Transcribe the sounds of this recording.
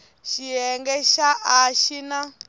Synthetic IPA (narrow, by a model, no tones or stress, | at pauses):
ʃiɛŋɡɛʃaʔaʃina